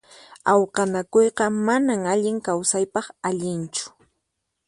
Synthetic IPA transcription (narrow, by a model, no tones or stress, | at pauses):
ɑwqɑnakojqɑmanaŋaʎɪŋkawsajpɑχaʎɪnt͡ʃʊ̥